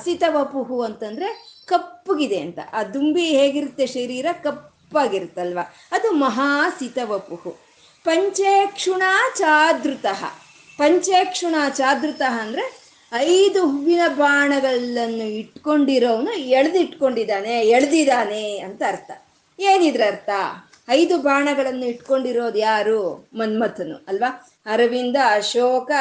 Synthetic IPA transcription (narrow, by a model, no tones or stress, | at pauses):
sit̪ɐʋɐpuɦuɐnt̪ɐnd̪ɾe̞kɐpːuɡid̪eɐnt̪ɐ̰ʔaːd̪umbiɦeːɡiɾut̪ːeʃɐɾiːɾɐkɐpːaːɡiɾut̪ːɐlʋa | ɐd̪umɐɦaːsit̪ɐʋɐpuɦu | pɐɲt͡ʃeːkʂuɳaːt͡ʃaːd̪ɾut̪ɐɦɐ̰ | pɐɲt͡ʃeːkʂuɳaːt͡ʃaːd̪ɾut̪ɐɦɐːnd̪ɐɾe̞ | ɐjd̪uɦuʋinɐbʱaːɳɐɡɐɐnːuiʈkoɳɖiɾoːʋɐnueɭɐd̪iʈko̞ɳɖid̪aːneeɭd̪id̪aːneɐnt̪ɐːɾt̪ʰɐ | eːnid̪ɾeɐɾt̪ʰɐ | ɐjd̪ubʱaːɳɐɡɐɭɐnːuiʈko̞ɳɖiɾoːd̪ujaːɾuːmɐnmɐt̪ʰɐnṵɐlʋaː | ɐɾɐʋind̪ɐːʃɔːkɐ